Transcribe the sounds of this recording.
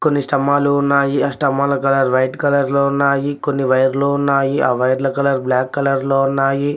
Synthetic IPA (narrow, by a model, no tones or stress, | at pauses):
konːisʈɐmaːluunːaːjiaːsʈɐmaːlɐkɐlɐɾʋɐjʈkɐlɐɾloːunːaːjikonːiʋɐjɐɾloːunːaːjiaːʋɐjɐɾlɐkɐlɐɾblaːkːɐlɐɾloːunːaːji